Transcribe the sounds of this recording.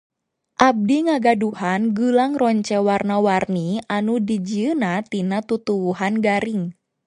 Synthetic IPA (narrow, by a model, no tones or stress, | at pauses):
ʔab̚diŋaɡaduhanɡulaŋrɔɲt͡ʃɛwarnawarnianudid͡ʒiənat̪inat̪ut̪uwuɦanɡaɾiŋ